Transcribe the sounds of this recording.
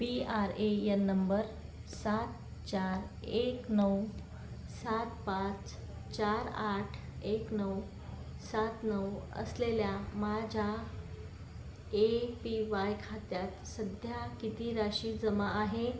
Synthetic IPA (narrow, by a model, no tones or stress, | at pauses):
piaɾejənːəmbəɾ | sat̪ | t͡ɕaɾ | eknəw | sat̪pãt͡s | t͡ɕaɾaʈʰeknəw | sat̪nəwə̰sleljamad͡ʑʱa | epiʋajkʰat̪jat̪səd̪ʱjakit̪iɾaɕiːd͡zəmaːɦe